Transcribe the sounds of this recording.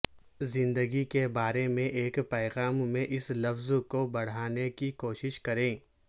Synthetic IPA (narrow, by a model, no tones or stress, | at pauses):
zɪ̃nd̪əɡikebaːɾemẽʔeːkpɛːɣaːmːẽʔɪslɐfzkobɐɽ̤aːnekikoːʃɪʃkɐɾẽː